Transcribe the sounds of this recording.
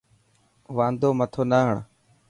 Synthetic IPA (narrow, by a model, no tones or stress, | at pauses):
ʋãːnd̪oːmət̪ʰoːnaːɦəɳ